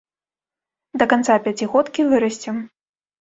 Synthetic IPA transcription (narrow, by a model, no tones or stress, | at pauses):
d̪ɐkant̪sapʲat͡sʲiɣɔt̪kʲivɨɾɐsʲt͡sʲɛm